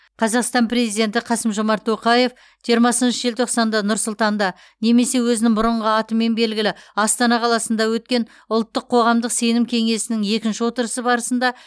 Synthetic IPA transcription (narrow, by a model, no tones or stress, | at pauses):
qʰɑzɑqst̪ɑmpɾʲe̞zijd̪e̞nt̪ɪqʰɑsəmʒo̞mɑɾt̪ʰːo̞qɑje̞f | ʒijɾmɑsənʃəʒelt̪ʰo̞qsɑnd̪ɑnʊɾsʊlˠt̪ɑnd̪ɑ | ne̞me̞se̞wɵzɪnɪŋbʊɾəɴʁəɑt̪əmːe̞nbe̞lɡʲɪlɪɑst̪ɑnɑqʰɑlˠɑsənd̪ɑwɵt̪̚kʲe̞n | ʊlˠt̪ːəqʰːo̞ʁɑmd̪əqse̞nɪmkʲʰe̞ŋe̞sɪnɪŋe̞kʲɪnʃɪwo̞t̪əɾəsəbɑɾəsənd̪ɑ